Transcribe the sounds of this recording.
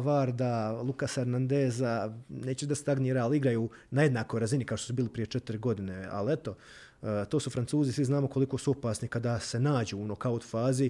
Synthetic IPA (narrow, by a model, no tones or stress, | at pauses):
ʋaːɾd̪alˠukaseɾnand̪eːzaneːt͡ɕud̪ast̪aɡniːɾaaliɡɾajuː | naje̞d̪naːko̞jɾazinikat̪osubiːlipɾije̞t͡ʃet̪iɾiɡo̞d̪ine̞a̰liet̪o̞ | t̪o̞ːsufɾantsuːzisʋiznaːmo̞ko̞liko̞suo̞paːsnikad̪ase̞naːd͡ʑuːunokaut̪faːzi